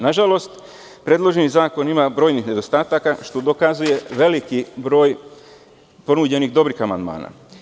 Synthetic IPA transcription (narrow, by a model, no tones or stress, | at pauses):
naʒalo̞st̪ | pɾeːd̪lˠo̞ʒenizaːko̞nimabɾo̞ːjnixne̞d̪o̞st̪aːt̪akaʃt̪o̞d̪o̞kazuje̞ʋe̞likibɾo̞ːj | po̞nud͡ʑe̞nixd̪o̞bɾixamand̪ma̰ːna̰